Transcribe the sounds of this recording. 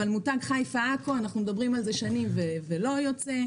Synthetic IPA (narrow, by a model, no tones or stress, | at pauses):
almutaɡχajfaakoanaχnumed̪abʁimalzeʃanimvevelo̞jot͡se